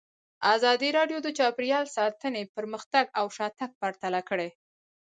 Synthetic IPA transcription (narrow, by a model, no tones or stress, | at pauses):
azɑd̪iɾɑɖjod̪ət͡ʃɑpɾjɑlsɑt̪ənepəɾməxt̪aɡawʃɑt̪ak̚paɾt̪alakəɽe